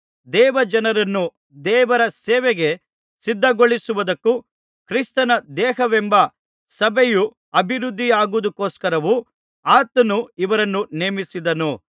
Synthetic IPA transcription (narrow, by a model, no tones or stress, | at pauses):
d̪ɛːʋɐd͡ʒɐnɐɾɐnːu | d̪ɛːʋɐɾɐsɛːʋeɡe̞ | sid̪ʱːɐɡoɭisuʋud̪ɐkːu | kɾist̪ɐnɐd̪ɛːɦɐʋɛmbɐ | sɐbʱeju | ɐbʱiɾud̪ʱːijaːɡud̪ukoːskɐɾɐʋu | aːt̪ɐnuiʋɐɾɐnːuneːmisid̪ɐnu